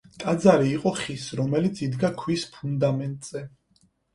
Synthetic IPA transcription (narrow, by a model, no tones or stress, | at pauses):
t̪ʼad̪zaɾiːqʼɔχisɾɔmɛlit̪sʰid̪ɡakʰwispʰund̪amɛnt̪ʼz̥ɛ